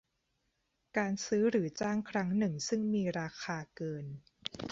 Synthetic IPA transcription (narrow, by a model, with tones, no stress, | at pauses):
kaː˧nsɯː˦˥ɾɯː˩˦t͡ɕaː˥˩ŋkʰɾa˦˥ŋnɯ˨˩ŋsɯ˥˩ŋmiː˧ɾaː˧xʰaː˧kɤː˧n